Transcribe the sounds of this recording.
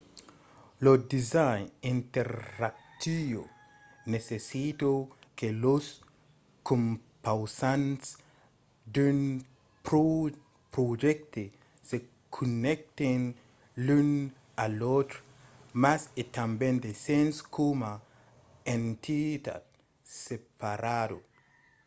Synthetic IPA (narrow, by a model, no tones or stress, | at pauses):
lod̪izajnĩnt̪eɾak̚t̪io̰ | nesesit̪okelos | kõmpawsãnts | d̪un | pɾo | pɾod͡ʒek̚t̪e | se | kʰunek̚t̪en | lun | alot̪ɾo̥ | maset̪ambẽnd̪esẽnskʰoma | ẽnt̪ʰit̪a̰d̪̚ | sepaɾado